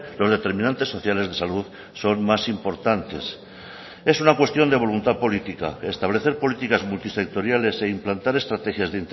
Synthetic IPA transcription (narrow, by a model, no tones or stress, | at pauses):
lo̞zð̞e̞t̪e̞ɾmĩnãnt̪e̞sːo̞θjale̞zðe̞saluð | so̞nmasimpo̞ɾt̪ant̪es | e̞sunakwe̞st̪jo̞nd̪e̞β̞o̞lunt̪aðpo̞lit̪ika̰est̪aβ̞le̞θe̞ɾpo̞lit̪ikazmult̪ise̞k̚t̪o̞ɾjale̞se̞implant̪aɾe̞st̪ɾat̪e̞xjazðeint̪